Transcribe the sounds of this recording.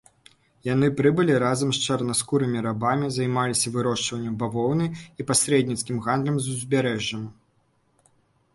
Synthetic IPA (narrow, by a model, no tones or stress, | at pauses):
jan̪ɨpɾɨbɨlʲiɾazɐmst͡ʂɐrnaskuɾɨmʲiɾabamʲizɐjmalʲisʲɐvɨɾɔʂt͡ʂvɐnʲːɐmbavɔwnɨjipasʲɾɛd̪ʲnʲit̪skʲimɣand̪lʲɐmzuzʲbʲaɾɛʐːɐm